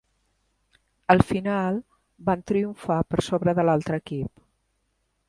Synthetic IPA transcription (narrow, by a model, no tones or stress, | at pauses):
əlˠfinalˠ | bant̪ɾiuɱfapəɾsoβɾəðəlalˠt̪ɾəːkip